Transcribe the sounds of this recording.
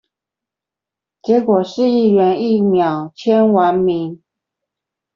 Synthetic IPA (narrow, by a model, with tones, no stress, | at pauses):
t͡ɕjɛ˧˥kwɔ˨˩ʂɻ̩˥˧i˥˩ɥɛ˧˥ni˥˩mjɑ˨˩ʊt͡ɕʰjɛ˥nwa˧˥nmi˧˥ŋ